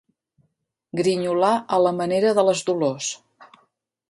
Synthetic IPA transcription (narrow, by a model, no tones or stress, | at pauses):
ɡɾiɲulaʔələməneɾəðələzdulos